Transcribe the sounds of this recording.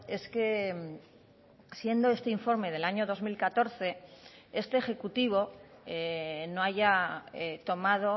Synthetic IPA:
e̞skem | sje̞nd̪o̞e̞st̪e̞iɱfo̞ɾme̞ð̞e̞laɲo̞ðo̞zmilkat̪o̞ɾθe̞e̞st̪e̞ːxe̞kut̪iβ̞o̞ | noaʝa | t̪o̞mað̞o̞

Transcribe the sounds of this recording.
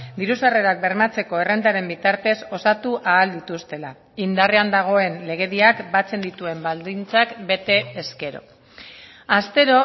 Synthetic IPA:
d̪iɾusare̞ɾak̚be̞ɾmat͡se̞ko̞e̞rend̪aɾe̞mbit̪aɾt̪e̞so̞sat̪uʔaːld̪it̪ust̪e̞la | ind̪areand̪aɣ̞o̞e̞nle̞ɣ̞e̞ðiakbat͡se̞nd̪it̪ue̞mbald̪int͡sakbe̞t̪e̞ːske̞ɾo̞̰ | ast̪e̞ɾo̞

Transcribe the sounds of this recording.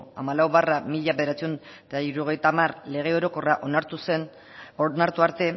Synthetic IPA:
a̰malawβaramiʎaβe̞ð̞eɾat͡sion | t̪aiɾuoɣ̞e̞jt̪amarle̞ɣ̞e̞o̞ɾo̞ko̞raʔo̞naɾt̪use̞n | onaɾt̪uaɾt̪e̞

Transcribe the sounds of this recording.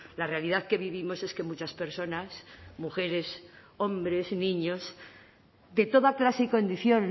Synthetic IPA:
larealiðaðke̞βiβimo̞se̞ske̞mut͡ʃaspe̞ɾso̞nasmuxe̞ɾe̞s | o̞mbɾe̞znĩɲo̞z | d̪e̞t̪o̞ðaklaseiko̞nd̪iθjo̞n

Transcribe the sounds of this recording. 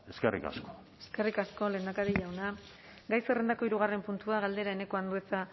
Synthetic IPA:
e̞skerḭka̰sko̥ | e̞ske̞rikasko̞le̞ːnd̪akaɾiʎawna | ɡajsere̞nd̪ako̞iɾuɣ̞arempunt̪uaɣ̞ald̪e̞ɾae̞ne̞ko̞and̪ue̞t͡sa

